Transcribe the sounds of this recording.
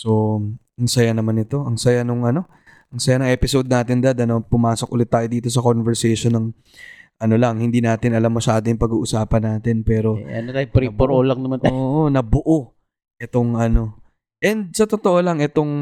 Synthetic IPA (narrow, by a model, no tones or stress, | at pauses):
so̞ | ɐŋsɐjanɐmanɪt̪o̞ʔɐŋsɐjanoŋɐno̞ | ʔɐŋsɐjanɐŋʔɛpɪsod̪̚naːt̪ɪnd̪ɐd̪ɐnopʊmaːsok̚ʔʊlɪt̪ːaːjod̪iːt̪o̞sɐkonvɛɹsɛjʃonːɐŋ | ʔɐno̞lɐŋhɪnd̪iːnaːt̪ɪnɐlamːɐʃaːd̪ojʊŋpɐɡuːʔʊsaːpɐnːaːt̪ɪnpɛːɾo̞ɐnot̪aːjɾipoɾolɐŋnɐmanaʔonɐbʊʔo | ʔɛt̪o̞ŋʔɐno̞ | ʔɛnd̪̚sɐt̪o̞t̪oʔolɐŋʔɛt̪o̞ŋ